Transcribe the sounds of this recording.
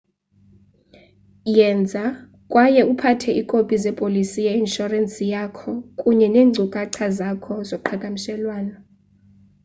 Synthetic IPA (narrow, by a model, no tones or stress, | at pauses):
jɛnd͡zʱa | kʼwajɛupʰatʰɛʔikʼopʼizɛpʼolisijainʃɔransʼijakʰɔkʼuɲɛneːŋŋ͡ǀʱukʼaǀʰazakʰɔzokuǃʰakʼamiʃɛlwaːnɔ